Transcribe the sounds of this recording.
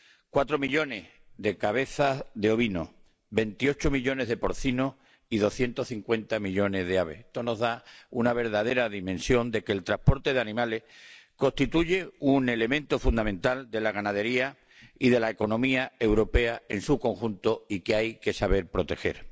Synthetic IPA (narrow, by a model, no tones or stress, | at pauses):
kwat̪ɾo̞miʎo̞ne̞h | ðe̞kaβ̞e̞θaðeo̞βino̰ | be̞nt̪io̞t͡ʃomiʎo̞ne̞ɦðe̞po̞ɾθino | iðo̞θje̞nt̪ohθiŋkwe̞nt̪amiʎo̞ne̞zðeaβe̞̰het̪ono̞zðaunaβ̞e̞ɾðað̞e̞ɾaðimẽnsjo̞nd̪e̞ke̞ːlt̪ɾahpoɾt̪e̞ðeanĩmale̞hko̞st̪it̪uʝe̞une̞le̞mẽnt̪ofund̪amẽnt̪ald̪e̞laɣanað̞e̞ɾia | iðe̞laeko̞nõ̞miae̞wɾo̞pe̞aensuko̞ŋxunt̪oikeajke̞saβe̞ɾpɾo̞t̪e̞xe̞̰ɾ